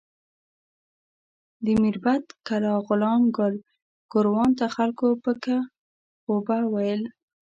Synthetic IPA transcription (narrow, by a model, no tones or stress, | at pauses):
d̪əmiɾbat̪kalɑɣʊlɑmɡʊl | ɡ̥ʊɾwɑnt̪axalkopəka | xobawajəl